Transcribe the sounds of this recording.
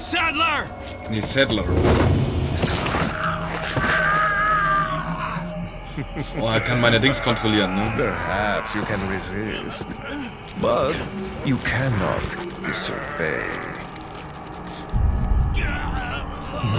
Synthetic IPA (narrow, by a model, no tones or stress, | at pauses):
sɛdlə˞ | nesɛdləɹ | oakʰæ̃nmãɪnədɪ̃ŋskʰɔ̃ntʁolinopʰə˞hæpsjɨkʰɨ̃nɹɪzɪst | bʌtjɨkʰænɑ̰td̥ɪ̰so̰bḛɪ